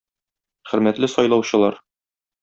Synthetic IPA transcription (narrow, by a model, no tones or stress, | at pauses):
χɘ̆ɾmæt̪lɘsɒjlˠɑwɕɤ̆lˠɑɾ